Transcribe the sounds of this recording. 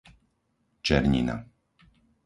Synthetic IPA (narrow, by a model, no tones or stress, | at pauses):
t͡ʃɛɾɲḭna̰